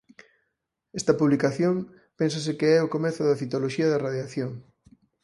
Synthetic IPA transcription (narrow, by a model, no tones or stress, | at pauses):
ɛst̪ɐpuβlikaθjoŋ | pens̬ɐsɪkeɛʊkomɛθʊðɐfit̪oloʃiɐðɐraðjaθjoŋ